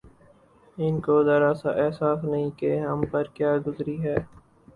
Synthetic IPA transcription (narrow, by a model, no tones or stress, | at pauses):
ɪnkod̪ɐɾaːsaʔɛɦsaːsnɐɦĩkeɦɐmpəɾkjaːɡʊzɾiɦɛː